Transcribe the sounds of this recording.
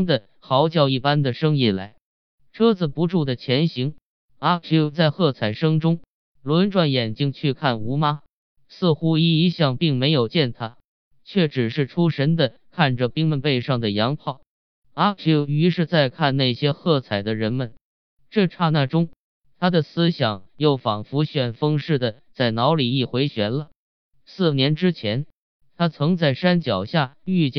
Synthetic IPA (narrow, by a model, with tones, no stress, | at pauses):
ŋd̪ə˨ | xɑ˧˥ʊt͡ɕjɑ˥˧ʊi˥˩pa˥nd̪ə˨ʂɤ˥ŋi˥˩la˧˥ɪ | ʈ͡ʂʰɤ˥d͡zɹ̩˨˩pu˧˥ʈ͡ʂu˥˩d̪ə˩t͡ɕʰjɛ˧˥nɕi˧˥ŋ | a˧˥u˧˥t͡sa˥˧ɪxɤ˥˩t͡sʰa˨˩ɪʂɤ˥ŋʈ͡ʂʊ˥ŋ | lwə˧˥nʈ͡ʂwa˥˩njɛ˨˩nt͡ɕi˥ŋt͡ɕʰy˥˧kʰa˥˩nu˧˥ma˥ | sɹ̩˥˧xu˥i˥i˧˥ɕjɑ˥˧ŋpi˥˩ŋme˧˥ɪjo˨˩ʊt͡ɕjɛ˥˩nt̪ʰa˥ | t͡ɕʰɥɛ˥˩ʈ͡ʂɻ̩˨˩ʂɻ̩˥˩ʈ͡ʂʰu˥ʂə˧˥nd̪ə˨kʰa˥˩nʈ͡ʂə˩pi˥ŋmə˧npe˥˧ɪʂɑ˥˩ŋd̪ə˩jɑ˧˥ŋpʰɑ˥˩ʊ | a˧˥˧y˧˥ʂɻ̩˥˧t͡sa˥˧ɪkʰa˥˧nna˥˩ɪɕjɛ˥xɤ˥˩t͡sʰa˨˩ɪd̪ə˦ɻə˧˥nmə˧n | ʈ͡ʂɤ˥˧ʈ͡ʂʰa˥˧na˥˩ʈ͡ʂʊ˥ŋ | t̪ʰa˥d̪ə˨sɹ̩˥ɕjɑ˨˩ŋjo˥˩ʊfɑ˨˩ŋfu˧˥ɕɥɛ˥˩nfɤ˥ŋʂɻ̩˥˩d̪ə˩ | t͡sa˥˩ɪnɑ˧˥ʊli˨˩i˥˩xwe˧˥ɪɕɥɛ˧˥nlə˧ | sɹ̩˥˩njɛ˧˥nʈ͡ʂɻ̩˥t͡ɕʰjɛ˧˥n | t̪ʰa˥t͡sʰɤ˧˥ŋt͡sa˥˩ɪʂa˥nt͡ɕjɑ˨˩ʊɕja˥˩y˥˧t͡ɕjɛ˥˩